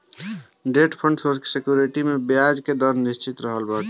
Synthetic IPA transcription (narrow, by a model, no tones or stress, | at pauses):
ɖeʈpʰəɳɖsoɾske̥sekjuɾiʈimebjad͡ʒked̪əɾnnist͡ʃit̪ɾəɦəlbəɾʈʰ